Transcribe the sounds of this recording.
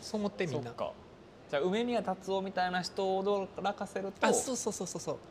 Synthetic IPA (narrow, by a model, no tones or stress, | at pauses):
soːmot̪ːemʲioakːa̰ | d͡ʑaːɯ̟me̞mʲiat̪at͡sɨo̞mʲit̪ainaçi̥t̪o̞d̪oɾakase̞ɾɯ̟t̪asoːso̞ːsoːsoːsoː